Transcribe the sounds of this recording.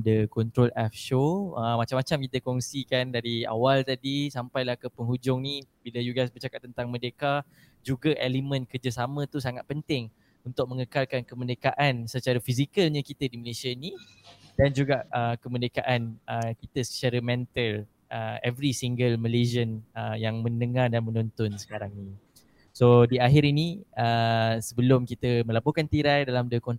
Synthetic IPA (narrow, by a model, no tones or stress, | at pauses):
dəkɔnt̪ɾolɛfʃoəmat͡ʃamat͡ʃamkit̪əkɔŋsikandaɾia̰walt̪adisampajlahkəpəŋɦud͡ʒʊŋnibiləjuɡajsbərt͡ʃakat̪ːənt̪aŋmə̃deka | d͡ʒuɡaʔelimə̃nkərd͡ʒəsamə̃t̪usaŋat̪̚pənt̪ɪŋ | unt̪ʊk̚mə̃ŋəkalkankəmə̃ndəkaʔansət͡ʃaɾafizikəlɲakit̪ədiməlesani | dand͡ʒuɡaʔəkəməndekaʔanəkit̪əsə̥t͡ʃaɾəmɛnt̪əl | əɛvɾisiŋɡəlməlezənəjaŋmə̃nəŋardanmə̃nɔnt̪ɔnsə̥kaɾaŋni | sodiaɦiɾiniəsəbəlʊmkit̪əmə̃labukant̪iɾajdalamdəkɔn